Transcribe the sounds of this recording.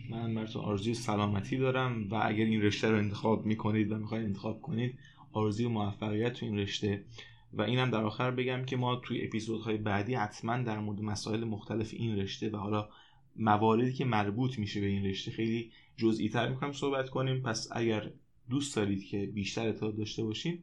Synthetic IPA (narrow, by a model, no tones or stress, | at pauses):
mænnbæɾt̪ʰo̰ʔɒ̰ːɾezuːjesælɒːmæt̪ʰiːd̪ɒːɾæmvæʔæ̰ɟæɾinre̞ʃt̪æɾoe̞nt̪ʰexɒːbmiːkʰo̞niːd̪væmixɒːjd̪ent̪e̞xɒːb̥̚kʰo̞niːd̪ | ɒːɾezuːjemovæfːæɣijæt̪ʰːuinre̞ʃt̪e̞ | væʔiːnhæmd̪æɾɒːxæɾbe̞ɟæmcʰe̞mɒːt̪ʰujeʔḛpizod̪hɒːje̞bæːd̪iːhæt̪ʰmænd̪æɾmoɾed̪e̞mæsɒ̰ːʔe̞lemoxt̪ʰæle̞fḛʔinre̞ʃt̪e̞væhɒːlɒː | mævɒːɾe̞d̪iːcʰe̞mæɾbuːt̪ʰmiːʃe̞be̞inre̞ʃt̪exe̞jliː | d͡ʒozʔiːt̪ʰæɾmixoniːmso̞hbæt̪kʰo̞niːmpʰæsæ̰ɟæɾ | d̪uːsd̪̥ɒːɾiːd̪̥cʰe̞biːʃt̪æɾet̪ʰːeɒːd̪ɒːʃt̪e̞bɒːʃiːm